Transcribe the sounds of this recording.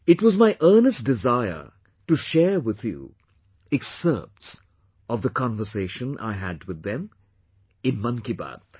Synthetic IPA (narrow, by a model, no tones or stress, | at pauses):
ɪtwɔzmaɪʔɜ˞nəsd̥ɪzaɪə̰˞ | ʈuʃɛɹwɪð̥jṵ | ɛksɜ̰˞p̚ts | ʌvðəkʰɑ̃nvə˞seɪʃə̃nʔa̰ɪɦædwɪðːɛ̃m | ɪ̃nmʌ̃nkiba̰d̪